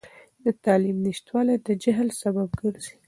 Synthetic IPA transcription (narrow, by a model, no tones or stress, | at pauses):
d̪̥ət̪ɑlimniʃt̪wɑlajd̪əd͡ʒaɦlsabab̚ɡəɾzi̥